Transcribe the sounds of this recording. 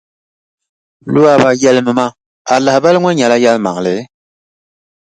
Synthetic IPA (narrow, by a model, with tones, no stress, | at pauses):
lu˦a˦ba˨jɛ˦lɨ˦mɨ˨ma˦ | a˨la˨bɛ˦lŋʷɔ˦ɲɛ˨la˦ja˦lma̰˨ŋ˨lɨ˨˦